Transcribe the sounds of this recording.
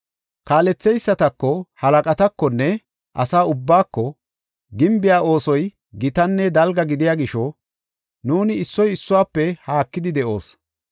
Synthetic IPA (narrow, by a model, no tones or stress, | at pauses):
kaːlɛt͡sːɛjsːɐt̪ɐkːɔhɐlɐkʼɐt̪ɐkːɔnːɛ | ʔɐ̰saːʊbːaːkːɔ | ɡɪmbɪjaːʔo̞ːsɔj | ɡɪt̪ɐnːɛd̪ɐlɡɐɡɪd̪ɪjaːɡɪʃɔ | nuːnɪːsːɔjɪsːʊwaːpːɛhaːkːɪd̪ɪd̪ɛʔo̞ːs